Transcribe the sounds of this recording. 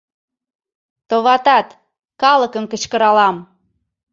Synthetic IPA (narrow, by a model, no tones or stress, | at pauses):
t̪oβɑt̪ɑt̪ | kɑləkəmkə̆t͡ɕkəɾɑlɑm